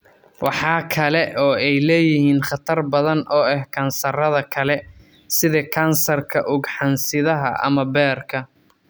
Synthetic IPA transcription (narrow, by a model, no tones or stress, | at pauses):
wɑħɑːkʰɐlɛʔɔːɛjlɛːjɪhiːnχɑt̪ʰɐrbɐðɐnʔɔːɛhkʰɐːnsɐrɐðɐkʰɐlɛ | sɪðɛkʰɐːnsɐrkʰɐʔʊɡħɑnsɪðɐɦɐ̰ʔɐ̰mɐbɛːrkʰɐ